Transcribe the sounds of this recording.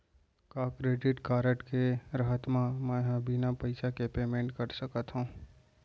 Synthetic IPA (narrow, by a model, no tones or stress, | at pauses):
kaːkɾeːɖɪʈkaːɾəʈkeɾəɦət̪mãmɛ̃ɦãbʱinapɐɪsakepeːmẽːɳʈkəɾsəkət̪ɦũː